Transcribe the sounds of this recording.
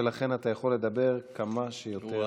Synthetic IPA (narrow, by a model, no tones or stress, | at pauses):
elaχe̞nat̪ajaχo̞lːed̪abe̞ʁkamaʃejot̪e